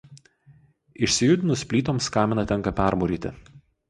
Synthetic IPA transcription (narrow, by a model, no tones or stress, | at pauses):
ɪʃʲsʲɪjʊd̪ʲɪnʊsʲpʲlʲiːt̪oːmskɑːmʲɪnɐt̪ʲɛŋkɐpʲæˑɾmoːɾʲiːt̪ʲɪ̰